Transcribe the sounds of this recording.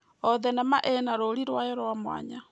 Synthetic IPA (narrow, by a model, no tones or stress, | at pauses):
ɔðɛnɛmaʔenaɾoɾiɾwajɔɾamwa̰ɲa